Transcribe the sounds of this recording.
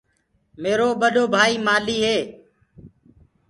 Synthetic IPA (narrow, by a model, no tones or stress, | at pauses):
meːɾoːɓəɗoːbʱaːiːmaːliːɦeː